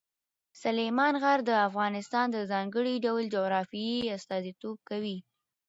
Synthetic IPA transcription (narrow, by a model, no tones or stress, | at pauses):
salemɑnɣaɾd̪əafɣɑnɪst̪ɑnd̪əzɑŋɡəɽiɖawld͡ʒoɣɾɑfiiast̪ɑzit̪ob̚kawi